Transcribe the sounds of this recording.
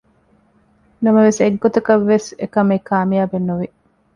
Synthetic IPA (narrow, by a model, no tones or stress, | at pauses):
nɐmɐʋeseɡːot̪ɐkɐʋːesekɐmekaːmijaːbenːuʋi